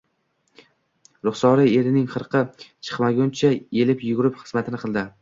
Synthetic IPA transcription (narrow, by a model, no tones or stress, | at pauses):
ɾʊχsɒɾɪe̞ɾɪnɪŋχɨɾqʰɨt͡ʃʰɨ̥qmaɡʲʊnt͡ʃʰae̞lɪpjʊɡʲʊɾɪpχɨ̥zmat̪ʰɪnɪqʰɨlˠd̪ɪ